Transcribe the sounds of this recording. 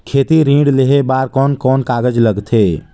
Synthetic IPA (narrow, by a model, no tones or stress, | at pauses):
kʰeːt̪iɾĩɖleɦebaːɾkɔːnkɔːnkaːɡəd͡ʒləɡt̪ʰe